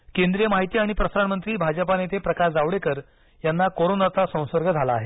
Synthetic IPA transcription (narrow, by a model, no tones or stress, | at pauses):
kend̪ɾijəmaɦit̪iːaɽ̃ipɾəsɾaɳmənt̪ɾiːbʱad͡ʑəpanet̪ʰepɾəkasd͡zaʋɽekəɾ | janːakoɾonat̪asə̃w̃səɾɡəd͡zʱalaːɦe